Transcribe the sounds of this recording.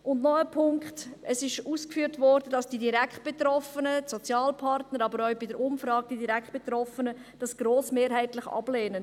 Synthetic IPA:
ʔʊndnɔəpʰʊŋkχtəsɪʃuːskfyːɾtvɔːɾdədɑsd̥idiɾækχt̚b̥etɾɔfənəsɔt͡sjɑːlpʰɑrtnəɾɑbəɾœɥbɪdəɾʊmfɾɑːɡ̚d̥idiɾækχt̚b̥etɾɔfənəd̥ɑsɡ̥ɾoːsmeːɾɦɛɪtlɪχɑ̰b̥leːnə

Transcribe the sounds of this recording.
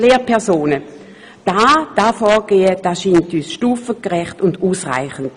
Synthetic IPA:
leːpʰɛɐsoːnə | d̥aːd̥aːfɔːɡ̥eːəd̥aʃintyːsʃtuːfəkʁɛχtʊnduːsʁa̰ɪχən̩t

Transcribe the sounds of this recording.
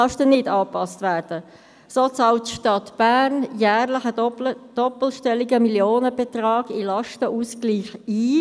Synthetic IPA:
ɑʃtənɪdɑːpɑstvæːɾd̥ə | soːt͡sɑʊtʃtɑt̪b̥æːrnjæːʁlɪχəd̥ɔpl̩ʃtɛliɡəmiljoːnəbɛt̪rɑːɡ̥ilɑʃtəʔuskliːχiː

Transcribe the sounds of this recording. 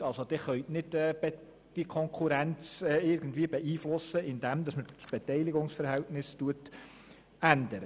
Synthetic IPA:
ɑlsod̥̪ɪχœʏtnɪdɛːbɛ | d̥ikʰɔŋkʰuɾænt͡sɛːɪɾɡ̥əndviːəbɛʔiːflʊsəɪnd̥̪ɛmd̪ɑsməɾsb̥ɛtɛɪlɪɡʊŋsfəɾhæltnɪstuət | ænd̪əɾə

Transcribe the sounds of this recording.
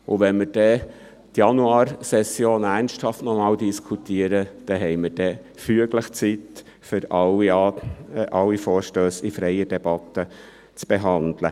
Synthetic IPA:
ʊʋɛnmɪɾd̥ɛ | tjɑnuɑːɾsɛsjoːnærnsthɑftnɔmɑːldiskʰut̪iəɾəd̥ɛɦɛɪməɾd̥ɛ | fyəɡləχt͡sit̪ | fʏɾɑ | ʔɑwːifɔːɾʃtøːsifɾɛɪəd̥ɛb̥ɑt̪ːə | t͡sb̥eɦɑnd̪lə̰

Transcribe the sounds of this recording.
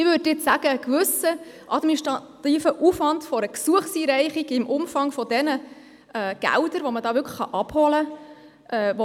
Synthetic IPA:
ɪʋʏːddɪsæɡ̥əkʋʏsəʔɑdminiʃtʁɑtiːfəʔufʋɑntfɔɾəksuəχsiːɾɛɪχiɡɪmʔʊmfɑŋfɔdɛnə | ɛːɡ̥æ̰ldəɾʋɔmədɑːʋʏkʰχəχɑ̰ʔɑb̥hɔlə | ʔɛːʋo

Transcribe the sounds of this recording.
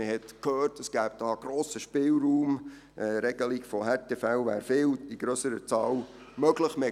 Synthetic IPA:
əhɛtkʰhøːrtəsɡ̥æːb̚d̥ɑːɡ̥ɾɔːsəʃpɪːlɾuːm | ʔɛɾɛɡ̥əliɡfɔhɛtɛfɛlvæ̰ːɾfɪːliɡ̥ɾøsəɾət͡sɑːw | mœɡləχme

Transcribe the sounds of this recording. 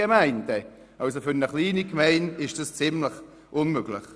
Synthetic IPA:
emaɪntɛ | ʔals̬ofʏnəχliːnikmɛɪnɪʃd̥əst͡sɪmləχ | ʔʊnmøɡ̥lɪ̰χ

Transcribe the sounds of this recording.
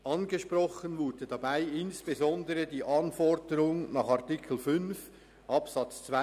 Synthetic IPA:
ʔɑnɡəʃprɔχənvʊd̥ədɑbaɪɪnsb̥ezɔndəɾədiːʔɑnfɔɹdəɾʊŋnɑːχɑʁtikʰl̩fʏnf | ʔɑpsɑt͡st͡sva

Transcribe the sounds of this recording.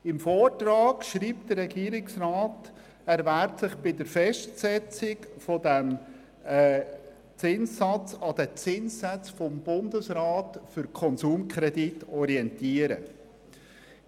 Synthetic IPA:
ɪmfɔːrtrɑːɡʃɾiːp̚t̚d̥əɾːɛɡiːəɾɪksrɑːt | æɾvæɾtsɪχb̥ɪdəɾfɛʃtsɛt͡sɪkfɔdæm | t͡sɪnsːɑt͡sɑd̥ət͡sɪnssæt͡sfɔmbʊndəsɾɑːtfʏɾkʰɔnsuːmkʰɾɛditɔɾiɛntiːəɾə̰

